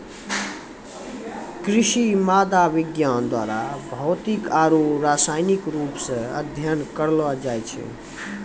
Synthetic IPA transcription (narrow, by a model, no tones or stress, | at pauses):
kɾiʃimad̪aʋiɡjand̪wa̰ɾabʱɔʊt̪ikaɾuɾasajnikɾuːpsə̃ə̰d̪ʱjənkəɾlad͡ʒajt͡ʃʰɛ̰